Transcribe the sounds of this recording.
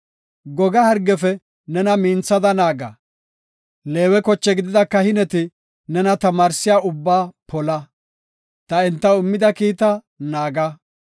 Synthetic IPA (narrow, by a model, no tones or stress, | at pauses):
ɡɔɡɐhɐɾɡːɛfɛ | nɛnɐmiːnt͡sːɐd̪ɐnaːɡɐ̰ | le̞ːwɛkɔt͡ʃːɛɡɪd̪ɪd̪ɐkːɐhɪnɛt̪ɪ | nɛnɐt̪ɐmaːɾsɪjaːʊbːaːpʰɔlɐ | t̪ɐɛnt̪ːɐʊmːɪd̪ɐkiːt̪ɐ | naːɡɐ